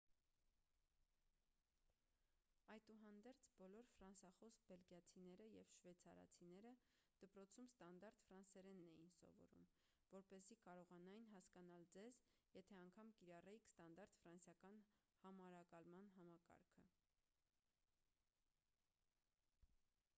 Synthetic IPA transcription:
ɑjt̪uɦɑnd̪ɛɾt͡sʰbɔlɔɾfɾɑnsɑχɔsbɛlɡjɑt͡sʰinɛɾəjɛvʃvɛt͡sʰɑɾɑ̰t͡sʰinɛɾə | d̪̥əpɾɔt͡sʰumst̪ɑnd̪ɑɾt̪fɾɑnsɛɾɛnːɛjinsɔ̰vɔ̰ɾṵm | vɔɾpɛzikɑɾɔʁɑnɑjinɦɑskɑnɑld͡zɛzjɛt̪ʰɛɑŋkʰɑmkiɾɑrɛjikʰst̪ɑnd̪ɑɾt̪fɾɑnsjɑkɑnhɑmɑɾɑkɑlmɑnɦɑmɑkɑ̰ɾkʰə

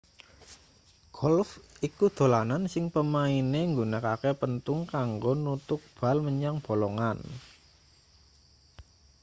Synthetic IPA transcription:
ɡ̥ɔlfikud̪̥o̤lanansɪŋpəmaineŋɡunəkakepənt̪ʊŋkaŋɡonut̪ʊk̚b̥a̤lməɲaŋb̥o̤lɔŋan

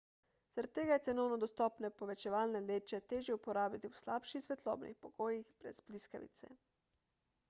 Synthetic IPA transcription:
z̥aɾat̪̚ːeːɡajɛt̪sɛnɔwnɔd̪ɔst̪ɔːpnɛpɔʋɛt͡ʃɛʋaːlnɛleːt͡ʃɛt̪eːʒjɛupɔɾaːbjit̪iwslaːpʃixsʋɛt̪lɔ̰ːbnḭxpɔɡ̥oːjixbɾɛ̰zbliskaʋḭt̪sɛ̰

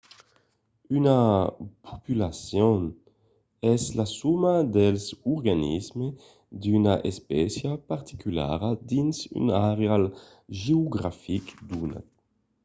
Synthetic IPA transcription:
ynapʰo̥pylasjɔn | ɛslasumad̪elsuɾɡanḭzme | d̪ynaʔespɛsjapaɾt̪i̥kyla̰ɾad̪insy̰naʁeal | ʒeoɡɾafikd̪una̰

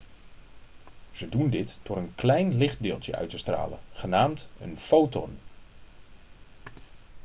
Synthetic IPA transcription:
z̥ədundɪtːɔɾənklɛjnlɪχt̚dɪːlˠtjəʔœ̰ɥtəstra̰ːlə̰χənaːmtə̰nfowtɔ̰n

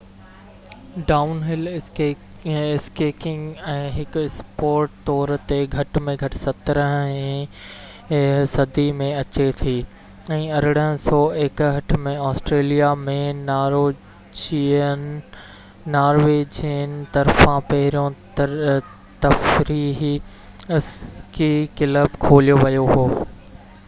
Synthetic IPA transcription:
ɖaːʊnɦɪl | ɪskeːkɪ̃ŋɡɛ̃ːɦɪkspoːɾʈt̪ɔːɾt̪eɡʱɐʈmẽɡʱɐʈsɐt̪ɾə̃ɦɛ̃ | sɐd̪ʱimẽɐt͡ɕet̪ʰiː | ɛ̃ːɐɾɪɽəɦə̃sɔːeːkɦɐʈmẽaɔːsʈɾeːlijamẽnːɾo | naːɾʋeːd͡ʑiənɪt̪ɐɾfãpɐɦɪɾijõ | t̪ɐfɾiːɦi | skikɪləbkʰoːlijoʋɐjoɦoː

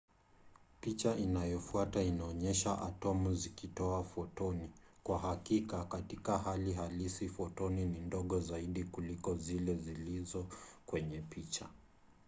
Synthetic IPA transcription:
pit͡ʃaʔinajɔfuatainaɔɲɛʃaʔa̰tɔmuzikitɔafɔtɔnikwaɦakikakatikaɦaliɦalisifɔtɔninindɔɠɔzaiɗikulikɔzilɛzilizɔkwɛɲɛpit͡ʃa

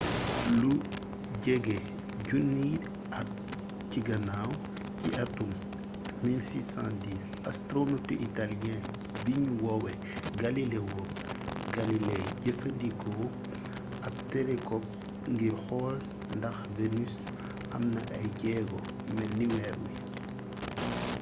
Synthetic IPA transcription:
lu | ɟɛɡe | ɟunːi | ɐ | ciɡɐnaw | ciʔɐtumː | ilsiːsãndiːs | astɾonotiʔitalɛ̃ | biɲuwɔwɛ | ɡɐlilewɔ | ɡɐlilɛjɟɛfɐndikɔ | ɐb̚tɛlɛkɔp̚ | ŋɡiɾxɔːl | ndɐxvenys | ɐ̰mnɐʔɐjɟɛːɡɔ | mɛnniwɛːɾwḭ

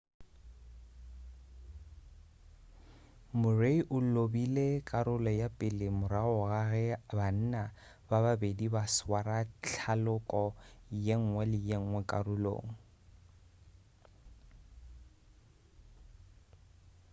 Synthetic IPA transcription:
mʊreiʔʊllobilekʼaɾʊlɔjapʼɪlɪmʊɾaʊɣaɣɛban̩na | bababedibaswaɾat͡ɬʰalʊkʼɔjeŋ̩ŋwɛlɪjeŋ̩ŋwɛkʼaɾʊlo̰ːŋ̩

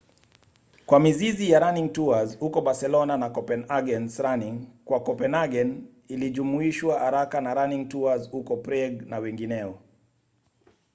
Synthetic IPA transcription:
kwamizizijaɾaniŋtuazhukɔɓaɾsɛlɔnanakɔpɛnaɡɛnsɾaniŋkwakɔpɛnaɡɛn | iliʄumuiʃwahaɾakanaɾaniŋtuazhukɔpɾɛɡnawɛŋɡinɛɔ

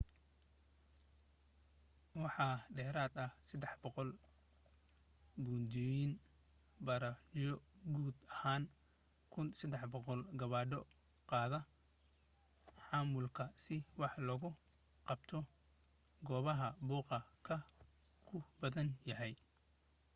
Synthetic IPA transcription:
wɑħɑːɖɛːɾaːd̪ɐhsɐd̪ɛħbɔqɔl | buːnd̪ɔjɪn | bɐɾɐt͡ʃɔɡuːd̪ɐhaːn | kʰʊnsɐd̪ɛħbɔqɔlɡɐβaːɖɔ | qɑːðɐ | ħɑːmʊlkʰɐsɪwɑħlɔɣʊ | qɑb̥t̪ʰɔ | ɡɔːβɐɦɐbuːqɑkʰɐ | kʰʊbɐðɐnjɐɦɛj

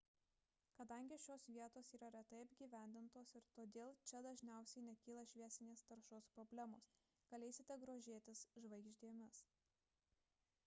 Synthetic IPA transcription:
kɐd̪ɐŋʲɡʲɪʃʲoːsʋʲiɛt̪oːsiːɾɐɾʲɛt̪ɐɪɐbʲɡʲiːʋʲæˑnʲd̪ʲɪnt̪oːsɪɾt̪oːd̪ʲeːlˠt͡ʃʲɛd̪ɐʒʲnʲæˑʊsʲɛɪnʲɛkʲiːlˠɐʃʲʋʲiɛsʲɪnʲeːst̪ɐɾʃoːspɾobʲlʲæmoːs | ɡ̥ɐlʲɛɪsʲɪt̪ʲɛɡɾoːʒʲeːt̪ʲɪsʒʋɐɪɡʒʲd̪ʲeːmʲʊs

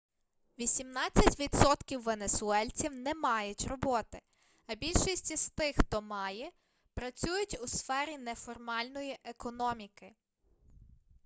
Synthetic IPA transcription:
ʋʲisʲimnɑt͡sʲːɐtʲʋʲid̪sɔt̪kʲiwːe̞nesʊɛlʲt͡sʲiwnɛmɑjʊtʲrɔbɔt̪ɪ | ɐbʲilʲʃisʲtʲist̪ɪxt̪ɔmɑjɛ | pɾɐt͡sʲujʊtʲʊsfɛɾʲinɛfɔrmɑlʲnɔjiʔekɔnɔmʲikɪ

